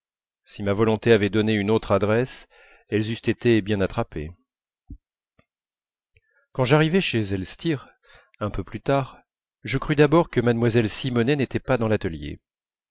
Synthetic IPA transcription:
simavɔlɔ̃t̪eavɛd̪ɔneynot̪χad̪ʁɛs | ɛlzyst̪et̪ebjɛ̃nat̪χapḛ | kɑ̃ʒaʁivɛʃezɛlst̪iʁ | ɛ̃pøplyt̪aʁ | ʒəkχyd̪abɔʁkəmanmwazɛlsimɔnɛnet̪ɛpad̪ɑ̃lat̪əljḛ

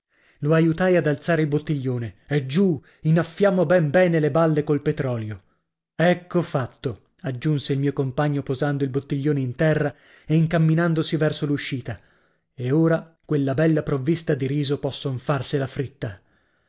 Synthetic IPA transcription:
loajut̪ajad̪alt̪saːɾeilbot̪ːiʎːoːneɛd͡ʒu | inafːjaːmobɛmbɛːnelebalːekolpet̪ɾɔːljo | ɛkːofat̪ːo | ad͡ʒːunseilmiːokompaɲːopozand̪oilbot̪ːiʎːoːneint̪ɛrːa | eiŋkamːinand̪osivɛrsoluʃːiːt̪a | eoːɾa | kwelːabɛlːapɾovːist̪ad̪iɾiːzopɔsːonfarselafɾit̪ːa

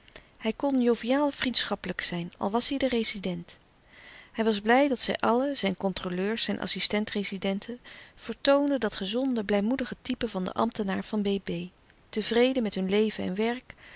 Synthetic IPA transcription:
hɛjkɔnjowvijaːlˠvrintsχɑpələksɛjnɑ̰lˠʋɑsɦɛjdərejzidɛnt | hɛjʋɑzblɛjdɑtsɛ̰jʔɑləz̥ɛjnkɔntroløːɹsɛjnʔɑ̰sistɛntrezidɛntʰənv̥əɹtowndədɑtχəzɔndəblɛjmudəχətipəvɑndə̰ʔɑ̰mtənaːɹv̥ɑnbejbej | təvrejdəmɛtɦɵnlejvənɛ̰nʋɛɹk

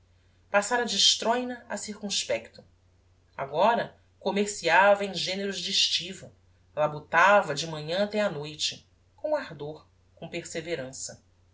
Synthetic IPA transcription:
pasaɾɐd͡ʒɪʃt̪ɾojnɐa̰siɾkũʃpɛkt̪ʊ̥ | a̰ɡɔɾɐ | komeɾsiavɐẽʒẽneɾʊzd͡ʒɪʃt͡ʃivɐ | lɐbot̪avɐd͡ʒɪmɐ̃ɲɐ̃at̪ɛanojt͡ʃɪ | kõw̃aɾd̪oɾ | kõw̃peɾseveɾɐ̃sɐ

